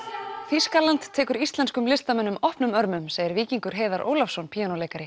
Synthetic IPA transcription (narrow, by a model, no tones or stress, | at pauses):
θiskalant̪ʰːɛːkʏɾist̪lɛnskʏmlɪst̪amɛnːʏmɔhpnʏmœɾmʏmseːjɪɾviːciŋkʏɾ̥ɦeːðaɾʔo̰ːwlafsɔnpʰiːanowleːjkaɾɪ